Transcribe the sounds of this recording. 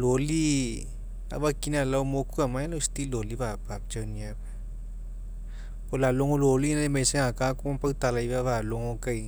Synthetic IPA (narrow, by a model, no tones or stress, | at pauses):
loli | a̰bakinalawmokuamajlawst̪iloliβapap̚t͡ʃawniaa | polaloŋololinaemeseŋakakumampawt̪alajβaβaloŋokaj